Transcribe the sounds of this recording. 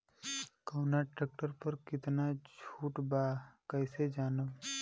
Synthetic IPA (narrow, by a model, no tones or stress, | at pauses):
koːnaʈɾeːk̚ʈəɾpəɾkɪt̪nad͡ʒʰuːʈbaːkəɪsed͡ʒaːnəb